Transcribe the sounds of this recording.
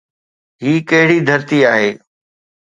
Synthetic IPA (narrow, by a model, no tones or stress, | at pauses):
ɦiːkɐɦɪɽid̪ʱɐɾt̪iaːɦeː